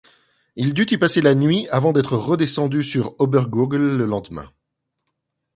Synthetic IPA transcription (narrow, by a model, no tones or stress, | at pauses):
ild̪yt̪ipaselanɥiavɑ̃d̪ɛt̪χəʁəd̪esɑ̃d̪ysyʁɔbɛʁɡuɡlːəlɑ̃d̪mɛ̰̃